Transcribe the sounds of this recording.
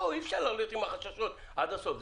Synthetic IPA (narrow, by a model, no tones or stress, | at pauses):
oifʃaɾlaχlit̪imaχaʃaʃot̪ | ad̪asof